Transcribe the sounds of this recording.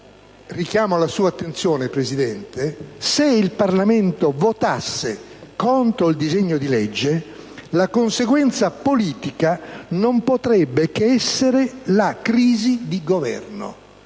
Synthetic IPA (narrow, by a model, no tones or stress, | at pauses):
rikjaːmoalasuːat̪ːent̪sjɔːnepɾezid̪ɛnt̪eseilparlament̪ovot̪asːe | kont̪ɾoild̪izeɲːod̪ilɛd͡ʒːe | lakonseɡwɛnt̪sapoliːt̪ikanompot̪ɾɛbːekeɛsːeɾelakɾiːzid̪iɡovɛ̰rno̰